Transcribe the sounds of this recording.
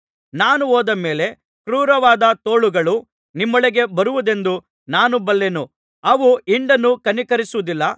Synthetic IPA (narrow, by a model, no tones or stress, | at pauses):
naːnuoːd̪ɐme̞ːle̞ | kɾuːɾɐʋaːd̪ɐt̪oːɭuɡɐɭu | nimːɔɭeɡe̞bɐɾuʋud̪e̞nd̪u | naːnubɐlːenu | ɐʋuiɳɖɐnːukɐnikɐɾisuʋud̪ilːɐ